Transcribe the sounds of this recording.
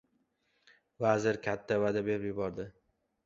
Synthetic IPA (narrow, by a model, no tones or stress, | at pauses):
vazɪɾkʲʰat̪ʰːavad̪abepjʊbɒɾd̪ɪ